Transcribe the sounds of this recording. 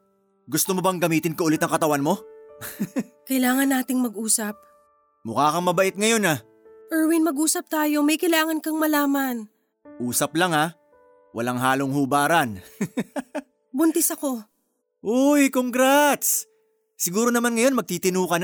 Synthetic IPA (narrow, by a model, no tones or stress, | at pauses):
ɡʊst̪omobɐŋɡɐmiːt̪ɪnkɐʔʊlɪt̪ːɐŋkɐt̪ɐwanmo̞ | kɐjlaːŋɐnːaːt̪ɪŋmɐɡʔuːsɐp̚ | mʊkaːkɐŋmɐbɐʔɪt̪̚ŋɐjo̞na | ʔɛɹwɪnmɐɡʔuːsɐp̚t̪aːjo̞mɐjkɐjlaːŋɐnkɐŋmɐlaːmɐn | ʔuːsɐp̚lɐŋa | wɐ̰laŋɦaːloŋhuːbaːɾɐn | bʊnt̪ɛsɐko̞ | ʔojkoŋɡɾat̪s | sɪɡuːɾo̞nɐmanŋɐjo̞nmɐɡ̚t̪iːt̪ɪnuːkɐn